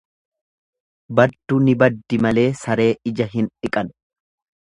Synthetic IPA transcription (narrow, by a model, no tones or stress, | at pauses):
bɐd̪ːunɪbɐd̪ːɪmɐle̞ːsɐɾe̞ːɪd͡ʒɐɦɪnᶑɪkʼɐn